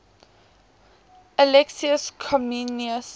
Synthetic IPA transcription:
əlɛksiəskʰɔminiəs

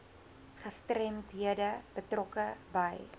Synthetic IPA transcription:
χəstrɛmtɦiədəb̥ətrɔkəbəj

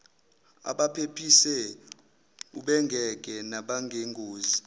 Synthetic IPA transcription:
a̰ɓapʰepʰisɛ | uɓɛŋɡʱɛk̬ʼɛnaɓaŋɡʱeŋɡʱoːzi

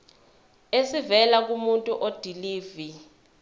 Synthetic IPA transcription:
esivɛlak̬umuntʼuʔod̥ʱiliːvi

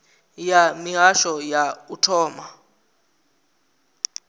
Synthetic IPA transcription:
jamiɦaʃɔjautʰɔːma

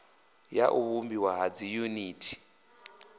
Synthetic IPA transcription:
jaʔuβumbiwaɦad͡zijuniːtʰi̥

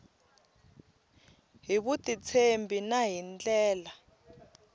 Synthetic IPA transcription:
ɦiɓutʼit͡sʰembʱinaɦint͡ɬʼɛːla

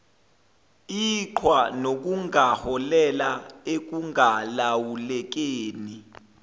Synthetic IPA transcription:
iǃʰwanok̬uŋahɔlɛlaek̬uŋalawulɛk̬eːni

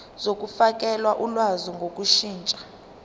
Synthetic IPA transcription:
zok̬ʼufak̬ʼɛlwaʔulwazɔŋɡʱokʼuʃiːnt͡ʃʼḁ

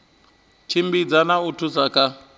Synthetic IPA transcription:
t͡ʃʰimbid͡zanautʰusakʼa

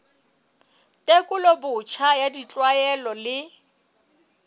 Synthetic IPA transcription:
tʼekʼʊlobʊt͡ʃʰajadit͡ɬʼwajɛlɔlɪ

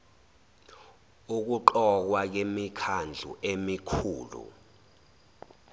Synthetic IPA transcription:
uk̬uǃɔk̬wak̬emikʰand͡ɮʱṵʔemikʰuːlṵ

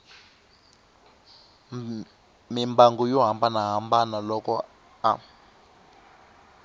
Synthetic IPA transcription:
mimbaŋɡɔjɔɦambanaɦambanalɔkɔ | a

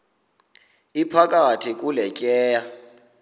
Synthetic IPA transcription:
ipʰak̬ʼatʰik̬ʼulɛkʼɛːja

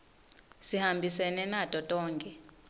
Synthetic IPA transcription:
sihambʱisɛnɛnatʼɔtʼɔːŋkʼɛ

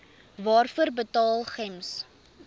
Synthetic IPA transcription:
vɑːrfuərbətɑːlˠχɛms

